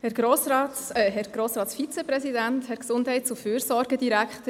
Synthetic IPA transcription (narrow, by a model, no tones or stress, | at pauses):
hɛɾɡ̥ɾoːsɾɑːtɛɦɛɾɡ̥ɾoːsɾɑːtsfit͡sɛpɾɛsidænthɛɾksʊndɦɛɪt̚t͡suføːɾsɔːɾɡəd̥iɾækχtə